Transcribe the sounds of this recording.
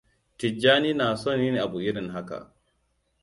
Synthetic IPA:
tɪ˨d͡ʒːaː˦niː˦naː˨so˦˨nji˦ne˨ʔa˨bu˨ʔɪ˦ɽɪ˨ŋɦa˦ka̰˨

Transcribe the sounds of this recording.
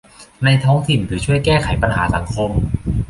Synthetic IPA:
na˧jt̪ʰɔː˦˥ŋt̪ʰi˨˩nt̪ʰɯː˩˦t͡ɕʰu˥˩əjkɛː˥˩kʰa˨˩˦jpa˧nha̰ː˩˦sa˩˦ŋkʰo˧m

